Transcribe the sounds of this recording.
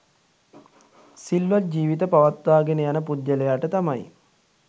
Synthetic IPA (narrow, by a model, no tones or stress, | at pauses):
silʋat̪̚d͡ʑiːʋit̪əpaʋat̪ʋaːɡenəjanəpud̪jəlejaːʈət̪amaj